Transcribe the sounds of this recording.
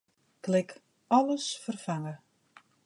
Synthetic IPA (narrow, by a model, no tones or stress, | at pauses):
klɪk | ɔləsfərfaŋə